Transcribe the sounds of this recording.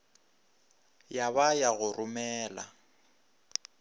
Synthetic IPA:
jaβajaɣʊrʔʊmɛːla̰

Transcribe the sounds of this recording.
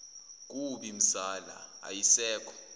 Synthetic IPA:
k̬ʼuɓim̩saːla̰a̰jisɛːkʰɔ̥

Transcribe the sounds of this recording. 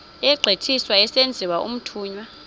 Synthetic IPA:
ɛɡ͡ǀʱetʰiswaɛsend͡zʱiwaʔṵm̩tʰuːɲwa

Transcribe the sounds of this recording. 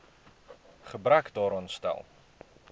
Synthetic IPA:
χəbɾœkdɑːɾɔnstɛ̰lˠ

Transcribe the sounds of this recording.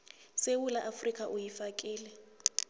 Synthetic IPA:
sewulaʔafrikʼaʔʊjifakʼiːlɛ

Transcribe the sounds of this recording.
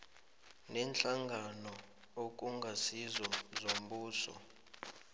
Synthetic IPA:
nɛnt͡ɬaŋɡʱanɔ | ok̬ʼuŋɡʱasizɔzom̩buːsɔ̰

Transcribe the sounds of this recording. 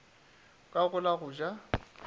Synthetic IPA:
kʼaɣʊlaɣʊd͡ʒa

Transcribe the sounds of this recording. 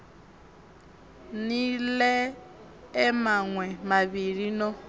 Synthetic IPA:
nilɛ | ɛmaŋwɛmaβiɾinɔ

